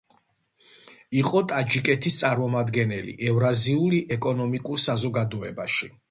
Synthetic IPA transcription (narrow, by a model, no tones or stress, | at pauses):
iqʼɔt̪ʼad͡ʒikʼɛt̪ʰist̪sʼaɾmɔmad̪ɡɛnɛlḭʔɛvɾaziuliʔɛkʼɔnɔmikʼuɾsazɔɡad̪ɔɛbaʃi